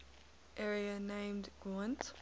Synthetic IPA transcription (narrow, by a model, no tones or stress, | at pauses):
ʔɛɹiənẽɪ̃mdɡ̥ɹãnt